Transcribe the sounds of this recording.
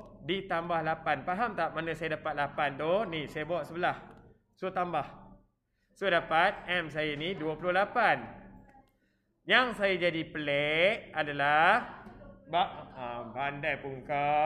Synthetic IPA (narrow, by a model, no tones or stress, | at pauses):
dit̪ambahlapanpaɦamt̪aʔ̚manãsajadapat̪̚lapant̪onisajabaaʔsəbəlah | sot̪ambah | sodapat̪̚ɛms̬ajaniduapulʊhlapan | jaŋsajad͡ʒadipəlɛʔadalahbaʔabandajpuŋka